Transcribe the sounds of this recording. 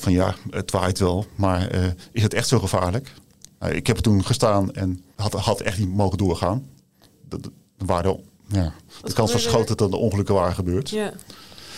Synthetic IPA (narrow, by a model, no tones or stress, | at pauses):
fɔnja̰ətʋajtʋɛlˠmaɹəɪsətɛxtsowχəfaːɹlək | na̰ɪ̰khɛptunχəstaːnɛnhɑtɛxtnimowɣəndʊːɹχaːn | nʋaːdə | jad̥əkɑnsfɔsχowtəɔndəõŋχəlɵkəʋaːrəχəbøːt